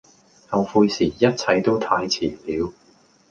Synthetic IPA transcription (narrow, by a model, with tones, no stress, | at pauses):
hɐ˨wfuː˧jsiː˨˩jɐ˥t̚t͡sʰɐ˨˧jt̪o˥wt̪ʰaː˧jt͡sʰiː˨˩liː˨˧w